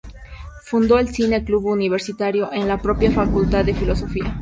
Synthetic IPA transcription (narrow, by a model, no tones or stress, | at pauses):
fund̪o̞elsine̞kluβuniβ̞e̞ɾsit̪aɾjo̞ʔe̞nlapɾo̞pjafakult̪aðːe̞filo̞so̞fia